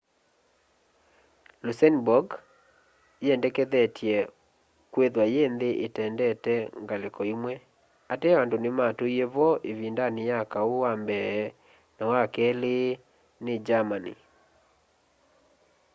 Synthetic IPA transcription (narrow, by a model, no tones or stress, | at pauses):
lusɛnbɔɡ | jɛndɛkɛðɛtʰiɛ | kweðwajendeʔetɛndɛtɛŋɡalekɔimwɛ | atɛandonematojeβɔʔevindanijakaowambɛː | nawakɛle | ned͡ʒamanḭ